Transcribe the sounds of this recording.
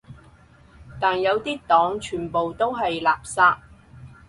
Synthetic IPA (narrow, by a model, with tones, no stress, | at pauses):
t̪aː˨njɐ˨˧wt̪iː˥t̪ɔː˨˥ŋt͡ʃʰyː˨˩npo˨wt̪o˥wɦɐ˨jlaː˨p̚saː˧t̚